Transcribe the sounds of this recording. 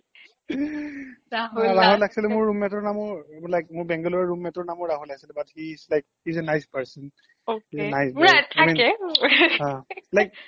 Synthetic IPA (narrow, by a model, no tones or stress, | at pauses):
aɦɹaɦɔlaɡʰi̥silɛmʊɹːumɛtɔɹnamɔɹlajk̚mʊɹbɛ̃ŋɡɔlɔɹɹumːɛtɔɹnamɔɹɹaɦɔlai̥silɛbathizlajk̚hizenajspɛɹsən | ohizenajsatʰaminɛ | ãlajk̚